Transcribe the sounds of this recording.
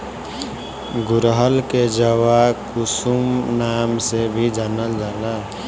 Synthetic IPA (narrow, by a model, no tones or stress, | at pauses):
ɡʊɾɦəlked͡ʒəwakusumnaːmsebʱid͡ʒanəld͡ʒaːla